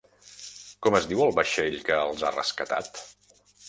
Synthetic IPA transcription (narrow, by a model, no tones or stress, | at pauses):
kɔməzd̪iwəlˠβəʃeʎkəːlˠzarə̰skət̪a̰t̪